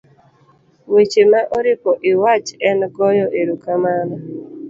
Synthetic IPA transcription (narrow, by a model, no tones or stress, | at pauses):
wet͡ʃemaʔɔɾɪpɔʔɪwat͡ʃɛnɡɔjɔʔeɾukamanɔ